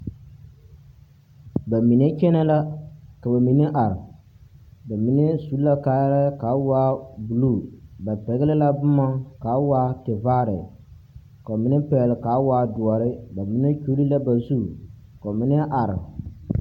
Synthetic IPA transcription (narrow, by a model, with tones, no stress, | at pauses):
ba˨mi˨ne˦t͡ʃɛ˦na˦la˦ka˨ba˨mi˨˦ne˦ʔa˨ɾɪ˨ | ba˨mi˨ne˦su˨˦la˦ka˦jla˦ka˨˦waː˦bu˨lu˦˨ba˨pɛ˨ɣɪ˦lɪ˦la˦bʊ˦ma˦ka˨˦wa˦te˨vaː˦ɾɪ˨ | ka˨mi˨nɛ˦pɛ˨lɪ˨ka˨˦wa˦dʊ˨ɔ˨ɾɪ˦ba˨mi˨ne˦t͡ʃu˦li˦la˦ba˨zu˦˨ | ka˨mɪ˦nɛ˦ʔa˨ɾɪ̰˨